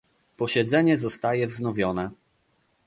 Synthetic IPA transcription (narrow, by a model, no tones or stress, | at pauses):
pɔɕɛd̪zɛɲɛzɔst̪ajɛvznɔvʲjɔnɛ